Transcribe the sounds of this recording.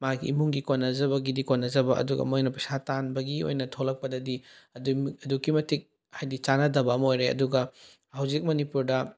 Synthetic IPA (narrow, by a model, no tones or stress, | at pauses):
makḭimuŋɡikonːɐzɐβɐɡidikonːɐd͡ʒɐbɐʔɐ̰duɡɐ̰mojnɐpɐsatanbɐɡio̰jnɐtʰolɐk̚pɐdɐdiɐduɐdukːimɐtʰik̚ | hajdit͡ʃanɐdɐbɐːmɐojɾeɐ̰duɡɐ | hɐwd͡ʒik̚mɐnipuɾdɐ